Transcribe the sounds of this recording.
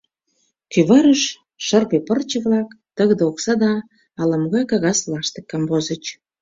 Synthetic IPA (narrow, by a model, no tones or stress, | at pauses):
kyβɑɾəʃ | ʃərɣepərt͡ɕə̆βlɑk | t̪əɣd̪eoksɑd̪ɑː | lə̆mɣɑjkɑɣɑslɑʃt̪ĕkːɑmbozət͡ɕ